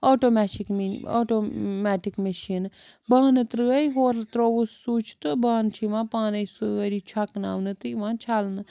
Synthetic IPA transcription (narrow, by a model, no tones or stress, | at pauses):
oːʈoːmɛːʈikmio̰ːʈomɛːʈikmeʃin | baːnɨt̪ɾɨɐjɦoːɾt̪ɾoːʋusːuːt͡ʃʰt̪ɨbaːnt͡ʃʰiʋãːpaːnɐjsɨɐɾit͡ʃʰɐkna̰ːwnɨt̪ɨʋãːnt͡ʃʰalnɨ